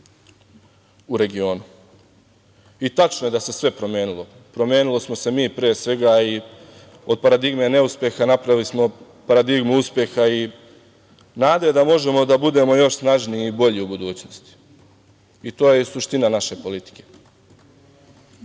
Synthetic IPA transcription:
uɾe̞ɡio̞ːnu | it̪at͡ʃnojed̪ase̞sʋe̞pɾo̞mje̞ːnulˠo̞ | pɾo̞mʲje̞ːnulˠo̞smo̞se̞miːpɾejesʋe̞ɡai | o̞d̪̚paɾad̪iɡme̞ne̞uspje̞xanapɾaʋilismo̞ | paɾad̪iɡmuuspje̞xai | naːd̪ojed̪amo̞ʒe̞mo̞d̪abud̪e̞ːmo̞jo̞ʃsnaʒniːbo̞ʎiubud̪uːt͡ɕnost̪i̥ | it̪o̞ːjesuʃt̪inanaʃe̞po̞lit̪i̥ke̞̥

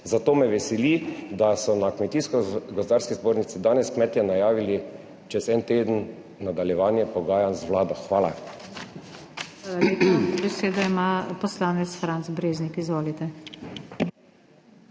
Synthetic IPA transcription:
zat̪oːmɛʋɛsɛlid̪asɔnakmɛt̪iskɔɡɔzd̪aːɾskizboːɾnit̪sid̪aːnɛskmɛt̪jɛnajaːʋili | t͡ʃɛzɛnt̪eːd̪ən | nad̪aljɛʋaːnjɛpɔɡaːjanzʋlaːd̪ɔxʋaːla | leːpɔbɛseːd̪ɔimapɔslaːnɛt̪sfɾanzbɾeːznikizʋoːlit̪ɛ

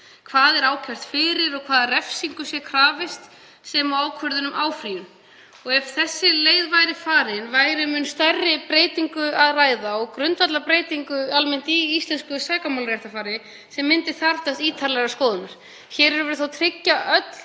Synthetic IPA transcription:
kʰv̥aːðɛɾaːwcʰar̥t̪fɪːɾɪɾɔɣkʰv̥aːðrɛfsiŋkʏsjɛkʰɾaːvɪst̪ | sɛmawaːwkʰœɾðʏnʏmʔaːwfɾiːʏn | ɔɣɛfθɛsːɪleːjðvajɾɪfaːɾɪnvaːjɾɪmʏnst̪arːɪpɾeːjt̪iŋkʏaðraːjðaɔɣkɾʏnt̪vat̪lapɾeːjt̪iŋkʏalmɛn̥t̪iist̪lɛnskʏsaːkamawlɾjɛht̪afaːɾɪ | sɛmːɪnt̪ɪ̥θaɾt̪ast̪iːt̪ʰaɾlɛɣaskɔːðʏnaɾ̥ | çɛːɾɛɾʏvɛɾʏθawt̪ʰɾɪcːaʔœt̪l̥

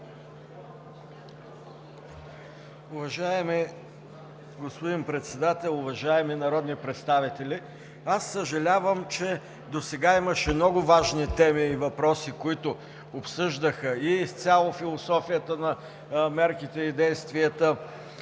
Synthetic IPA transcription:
ʊvɐʒaɛmi | ɡospʊd̪inpɾɛt̪sɛd̪at̪ɛlˠʊvɐʒaɛminɐɾɔd̪nipɾɛt̪st̪avit̪ɛlʲi | asːəʒɐlʲavəmt͡ʃɛ | d̪osɛɡaiməʃɛmnɔɡʊvaʒnit̪ɛmiːvɐpɾɔsikoit̪ʊ | opsɤʒd̪əxəist̪sʲjalˠofilˠosɔfijət̪ənɐ | mɛɾkit̪ɛid̪ɛjst̪viət̪ə

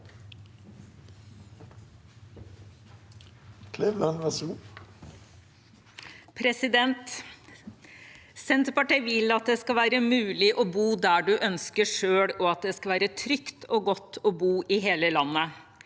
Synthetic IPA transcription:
kʰlɛʋlɑnʋæsuː | pʰɾɛsɪd̪ɛnt̪ | sɛnt̪əpɑʈiːʋɪlɑt̪̚d̪ɛskɑʋæːɾəmʉːlɪʔɔbuːd̪æːɖʉʔœnskəʂøːɽɔɑt̪̚d̪ɛskɑʋæːɾət̪ʰɾʏkt̪ʰoːɡɔt̪ːɔːbuːʔɪɦeːləlɑnːə

